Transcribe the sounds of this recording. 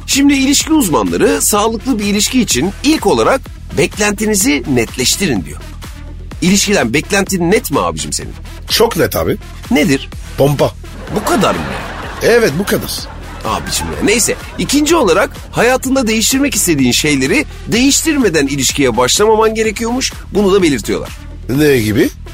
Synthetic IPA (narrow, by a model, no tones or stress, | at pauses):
ʃimd̪iːlʲiʃcʰiuzmanlˠa̰ɾɯsaːlˠɯklˠɯbiːlʲiʃciːt͡ʃʰinilʲco̞lˠaɾak̚ | bɛclʲænt̪ʰinizinɛt̪lʲɛʃt̪ʰiɾind̪ḭjo̰ | ilʲiʃcid̪ʲænbɛclʲænt̪ʰininɛt̪mia̰ːbid͡ʒimse̞̰nḭn | t͡ʃʰo̞knɛt̪ʰa̰ːbi | ne̞d̪iɾ̥ | pʰompa | bukad̪a̰ɾm̰ja̰ | ɛvɛt̪̚bukʰad̪a̰ɾ̥ | a̰ːbid͡ʒimja̰nejsɛ | icʰind͡ʒio̞lˠaɾak | hajaːt̪ɯnd̪ad̪e̞jiʃt̪ʰiɾmɛci̥st̪ʰe̞d̪iːnʃe̞jlʲe̞ɾi | d̪e̞jiʃt̪ʰiɾme̞d̪ænilʲiʃcijɛbaʃlˠamamanɟe̞ɾe̞cʰijo̞muʃ | bunud̪abe̞lʲiɾt̪ʰijo̞lˠa̰ɾ̥ | neɟibi